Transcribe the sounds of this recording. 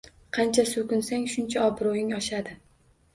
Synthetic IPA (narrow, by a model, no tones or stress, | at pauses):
qʰɑnt͡ʃʰasʊkʊnsaŋʃʊnt͡ʃʰaɒbɾojɪŋɒʃad̪ɪ